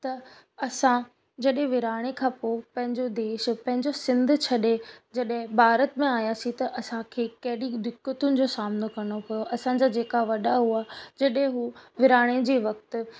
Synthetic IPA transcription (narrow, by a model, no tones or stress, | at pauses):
t̪ɐ | ɐsã | d͡ʑɐɗɦẽʋɪɾaːɽ̃ekʰãːpopɐ̃ɦɪ̃ɲd͡ʑod̪eːʃpɐ̃ɦɪ̃ɲd͡ʑosɪ̃nd̪ʱt͡ɕʰɐɗed͡ʑɐɗɦɪ̃bʱaːɾət̪mẽaːjasĩt̪ɐʔɐsãkʰekɐɦɪɗid̪ɪkːət̪ʊnɪ̆d͡ʑoːsaːmnokɐɽ̃opɐjoʔɐsãd͡ʑad͡ʑeːkaʋɐɗaɦuaːd͡ʑɐɗɦɪ̃ɦuʋɪɾaːɽ̃ed͡ʑiːʋɐk̚t̪ʊ̆